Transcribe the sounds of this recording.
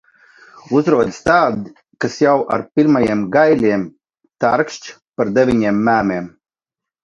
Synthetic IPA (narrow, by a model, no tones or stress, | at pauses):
uzɾuɔd̪ʲst̪aːd̪ | kasjawʔa̰ɾpʲiɾmajiɛmɡajlʲiɛm | t̪aɾkʃt͡ʃ | paɾd̪evʲiɲiɛmːæːmɛɛm